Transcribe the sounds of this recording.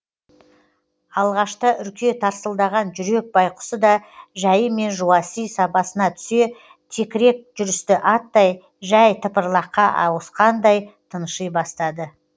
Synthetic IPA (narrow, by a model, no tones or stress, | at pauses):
ɑlˠʁɑʃt̪əʔʏlkʲʰe̞t̪ʰɑɾsəlˠd̪ɑʁɑnʒʏɾe̞k̚bɑjqʊ̥səd̪ɑʒæjəme̞nʒuɑsijsɑpɑsənɑt̪ʰʏ̥se̞ | t̪ʰe̞kʲɪɾe̞k̚ʒʏɾɪst̪ɪʔɑt̪ːɑj | ʒæjt̪ʰəpəɾlˠɑqːɑʔɑ̰wəsqɑnd̪ɑjt̪ʰənəʃəjbɑst̪ɑd̪ə